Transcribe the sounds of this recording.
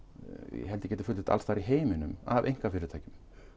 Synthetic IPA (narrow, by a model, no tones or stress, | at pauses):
jɛ̰ɦɛlt̪ɪcɛːt̪̬ɪfʏlɪ̥ht̪a̰lst̪aɾiɦeːjmɪnʏma̰vḛjŋ̥kafɪːɾɪt̪ʰaːjcʏm